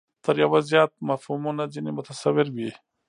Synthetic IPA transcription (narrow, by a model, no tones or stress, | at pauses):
t̪əɾjawazjaːt̪̚mɐfhumunad͡ʒinimʊt̪asawɪɾbi